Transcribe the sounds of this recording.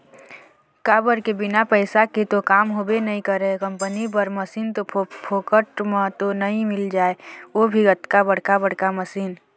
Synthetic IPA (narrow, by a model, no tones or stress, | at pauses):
kabəɾkebɪnapəɪsaket̪okaːmɦobenəɦĩkəɾəekə̃mpənip̬əɾməsiːnt̪opʰokəʈmãt̪onəɦĩmɪld͡ʒaːeobʱiət̪kabəɽ̤kabəɽ̤kaməsiːn